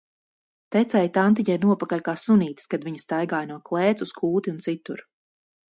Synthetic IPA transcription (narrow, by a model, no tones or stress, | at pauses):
t̪ɛt̪sɛjt̪ant̪̬iɲajnuɔpakaʎʲkaːsuniːt̪skad̪viɲɐst̪ajɡaːjnuɔklˠɛːt̪suskʰuːt̪iunt̪sit̪uɾ